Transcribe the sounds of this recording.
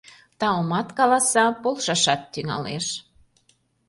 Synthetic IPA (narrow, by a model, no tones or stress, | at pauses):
t̪ɑomɑt̪kɑlɑsɑpolʃɑʃɑt̪ːyŋɑ̰leʃ